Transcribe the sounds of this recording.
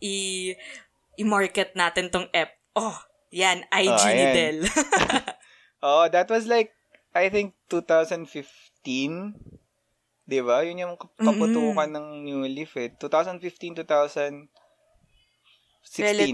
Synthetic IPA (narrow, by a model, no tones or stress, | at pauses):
ʔɪ | ʔɪmaɹkɛt̪̚naːt̪ɛnt̪oŋʔɛp̚ʔo | janʔajoij̪ɛl | ʔoʔd̪ɐt̪̚wɐslajk̚ | ʔajθɪ̃ŋk̚t̪ut̪awsɐnd̪fɪf | t̪ĩn | d̪ɪβajʊnjɐmkɐpʊt̪uːkɐnɐŋnulɪfɛt̪ːuːt̪awsɐnd̪fift̪ĩnt̪ut̪awsɐnd̪ | sɪɛsĩ